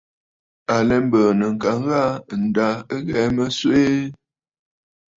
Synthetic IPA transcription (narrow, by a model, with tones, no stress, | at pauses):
a˨lɛ˨m˦bəː˨nə˨ŋ̩˨ka˨˦ŋ˦ɣa˦˨n̩˨da˨˦ə˦ɣɛ˨˦mə˦swe˦